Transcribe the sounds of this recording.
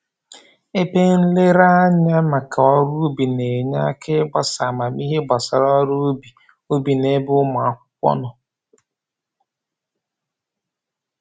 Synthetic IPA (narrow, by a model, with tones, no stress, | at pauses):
e˦pe˦n̩˦le˦ɾa˦ɲa˦ma˨kʰa˨ɔ˦ɾu˦bi˨ne˨ɲa̰˦kʰɪ˦ba˨sa˨ma˨mi˦ɦe˦ba˨sa˨ɾɔ˦ɾu˦bi˨ | o˦bi˨ne˦bʊ˦ma˨a˨kʷʊ̥˦kʷɔ̰˦nʊ˨